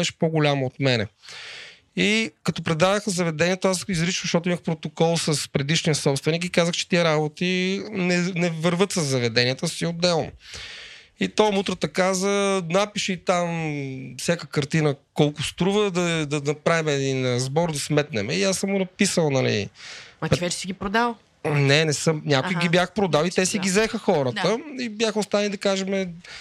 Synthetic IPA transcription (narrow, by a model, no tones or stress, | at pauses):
ɛʃɛ̥poɡʊlʲamoot̪mɛnɛ̰ | ikɐt̪ɔpɾɛd̪adəxzɐvɛd̪ɛniɛt̪oasizɾit͡ʃvzʃt̪ɔt̪ʊiməxpɾot̪okɔlˠsəspɾɛd̪iʃnijɐsɔpst̪vɛnikikazəxt͡ʃɛ̥t̪iɛɾabot̪inɛnɛvəɾvɤt̪səzːɐvɛd̪ɛniɛt̪əsiod̪ːɛlˠno̰ | it̪omut̪ɾət̪ɐkazənapiʃɛit̪amfsʲjakəkɐɾt̪inəkɔlˠkʊst̪ɾuvəd̪ɐd̪ɐnɐpɾavimɛd̪inɾɐzbɔɾd̪ɐsmɛt̪̚nɛ̰mɛiasəmunɐpisəlˠnɐlḭɐpvɛt͡ʃɛ̥siɡʲipɾod̪alˠ | nɛnɛsɤmnʲakʊjɡibjaxpɾod̪alˠit̪ɛsiɡʲizɛxəxɔɾət̪əibjaxəost̪aðənlʲid̪ɐkaʒɛmɛ